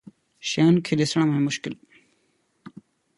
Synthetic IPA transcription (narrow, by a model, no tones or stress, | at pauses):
ʃeːnkʰeːɗɪsɳ̃mẽːmʊʃkɪl